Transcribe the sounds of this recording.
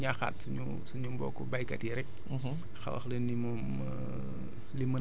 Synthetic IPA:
ɲaxa̰ːtsuɲu | suɲumbɔ̰ːkɔ̰bajkɐtiɾɛk̚ | xɐ̰wɐ̰xlenːimu | limən

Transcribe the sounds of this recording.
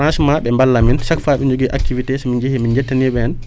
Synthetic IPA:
ɾãnsmaɓɛmbalːaminsakfaːɓɛɲd͡ʒoɡiʔakːivitɛsɔmind͡ʒehimind͡ʒɛtːaniɓɛn

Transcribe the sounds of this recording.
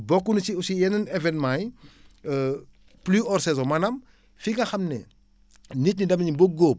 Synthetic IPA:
bɔkːunisiusijɛnɐnɛvɛnmaːj | pliɔrsɛzomɐnɐm | fiɡɐxɐmnɛ̰ | nitnidɐmɐɲiboɡoːp̚

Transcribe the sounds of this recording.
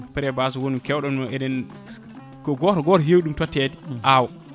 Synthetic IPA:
pɛɾɛbaːsɔwonumkɛwɗɔmnɔɛɗɛn | kɔɡɔtɔɡɔtɔɦewiɗumtɔtːɛdiʔaːwɔ

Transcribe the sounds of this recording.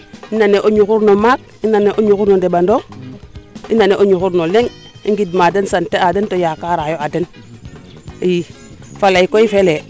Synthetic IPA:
inaneʔoɲuxuɾnomak̚inːaneʔoɲuxuɾnodebando | ḭnaneʔoɲuxuɾnoleŋ | iŋɡidmadensanteadentojakaɾajoaden | ji | falaikoifele

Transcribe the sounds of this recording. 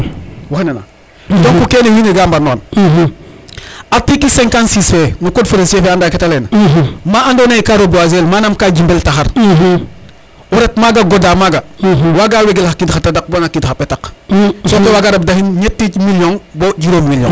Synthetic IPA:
woxnena̰ | dɔŋkukeːnehiniɡambanɔːn | atikisɛŋkansisenukodfeɾansiefɛandaːketalɛnmaʔandoːneikaɾobuazelmaːnamkaːɟimbeltaxaɾ | uɾɛt̚maːɡaɡodaːmaɡawaːɡaːweɡelhakidxatadak̚baŋakidxapɛtaksokewaːɡadab̚dahinɲetːimiljɔŋboɟiɾoːmmiljɔ̰ŋ

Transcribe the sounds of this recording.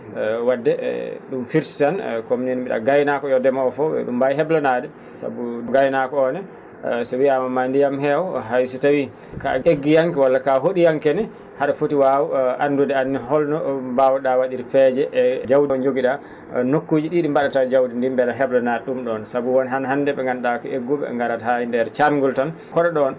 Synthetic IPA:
wadːɛ̰ɗumfiɾti̥tankominɛnmbiɗa̰ɡajnakɔjɔdɛmaɔfɔbɛ̰ɗṵmbajɦɛblɔnadɛ | sa̰buɗuɡajnakɔɔnɛ | sɔwiamamandijamɦɛwɦajsutawi | ka̰eɡːijaŋkɛwalːakaɦoɗijaŋkɛnɛ | haɾafotiwawuʔandudɛanːiɦɔlnɔbawɗawaɗiɾfɛd͡ʒɛʔːd͡ʒawdiɔnd͡ʒoɡiɗa | nokːud͡ʒiɗiɗimbaɗatad͡ʒawdindimbɛɾaɦɛblɔnadɛɗumɗɔnsabuwɔnɦanɦandɛɓɛŋɡanɗakɔʔeɡːuɓɛ̰ŋɡaɾathajindɛɾt͡ʃamɡultan | kɔɗɔɗɔn

